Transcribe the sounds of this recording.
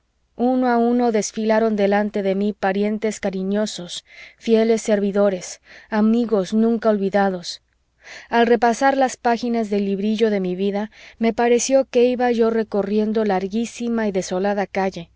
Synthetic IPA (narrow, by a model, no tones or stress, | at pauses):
unoauno̞ðe̞sfilaɾo̞nd̪e̞lant̪e̞ðe̞mipaɾje̞nt̪e̞skaɾiɲo̞so̞sfje̞le̞sːe̞ɾβiðo̞ɾe̞samiɣo̞snũŋkao̞lβiðaðo̞s | alre̞pasaɾlaspaxinazðe̞lːiβɾiʝo̞ðe̞miβiðame̞paɾe̞sjo̞ke̞iβaʝo̞re̞ko̞rje̞nd̪o̞laɾɣisimaiðe̞so̞laðakaʝe̞